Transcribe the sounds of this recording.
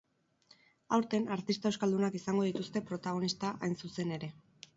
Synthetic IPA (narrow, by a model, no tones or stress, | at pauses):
awɾt̪e̞naɾt̪ist̪aewskald̪unakisaŋɡo̞ð̞it̪ust̪e̞pɾo̞t̪aɣ̞o̞nist̪aʔajnsuse̞ne̞ɾe̞